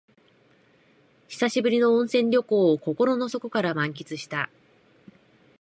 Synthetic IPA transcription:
çi̥saɕibɯ̟ɾʲino̞õɰ̃sẽ̞ɲɾʲoko̞ːoko̞ko̞ɾo̞no̞so̞ko̞kaɾamãŋk̬ʲit͡sɨɕi̥t̪a

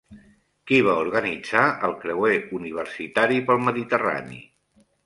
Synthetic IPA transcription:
kiβ̞auɾɣənid͡zaəlˠkɾəweuniβ̞əɾsit̪aɾipəlˠməðit̪əra̰nḭ

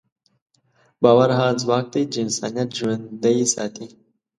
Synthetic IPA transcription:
baːwɐɾɦãːzwaːk̚t̪ijd͡ʒnsa̰ːnijɐt̪ʒuwɐnd̪ɐisa̰ːt̪i

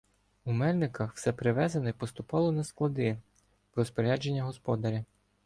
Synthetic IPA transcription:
umɛlʲnɪkɐxw̥sɛpɾɪʋɛzɐnɔjpɔst̪ʊpɑlˠɔnɐsklˠɐd̪ɪ | ɾɔspɔɾʲad͡ʒenʲːɐɦɔspɔd̪ɐɾʲi

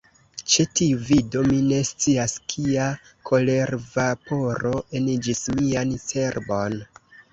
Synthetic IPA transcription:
t͡ʃetiuvido̞mine̞st͡siaskʰia | kʰo̞le̞ɾvapo̞ɾo̞ʔend͡ʒismianse̞ɾbo̞n

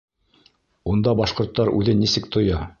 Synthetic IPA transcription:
und̪ɑbɑʃqŏɾt̪ːɑɾʉ̰ðɘnisɘkt̪ŏjɑ

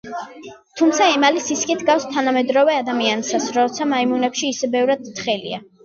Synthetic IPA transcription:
t̪ʰumt̪sʰaɛmalisiskʼit̪ʰɡafst̪ʰanamɛd̪ɾɔvɛad̪amiansasɾɔt̪sʰamaimunɛpʃiːsɛbɛvɾad̪̚χɛlḭa̰

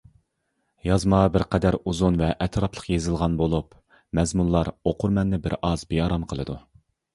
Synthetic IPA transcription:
jɑzmɑbɪɾqʰɛd̪æɾuzunvɛʔɛt̪ʰɾɑplˠəqjezɪlˠʁɑnbolˠup | mɛzmunlˠɑɾoqʊɾmɛnːɪbɪɾɑzbejɑɾɑmqʰəlˠɨ̰d̪u

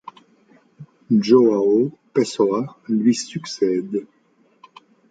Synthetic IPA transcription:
ʒoaopesoalɥisyksɛd̪

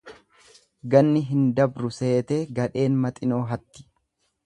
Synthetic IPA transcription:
ɡɐnːɪɦɪnd̪ɐbɾʊse̞ːt̪eːɡɐᶑe̞ːnmɐt̪ʼɪno̞ːɦɐt̪ːɪ̥

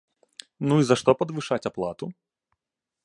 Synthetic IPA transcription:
nuizaʂt̪ɔpɐd̪vɨʂat͡sʲaplˠat̪u

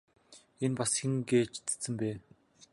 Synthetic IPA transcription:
enpasxĭŋɡeːt͡ɕʰt͡sɘ̥t͡sɘ̆mpeː

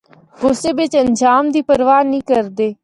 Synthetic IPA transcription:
ɡʊseːbɪt͡ʃənd͡ʒaːmd̪iːpəɾʋaːnĩːkəɾd̪eː

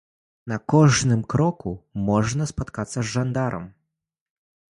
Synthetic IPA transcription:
nɐkɔʐnɨmkɾɔkumɔʐnɐspat̪kat̪sːɐzːand̪aɾʔɐ̰m

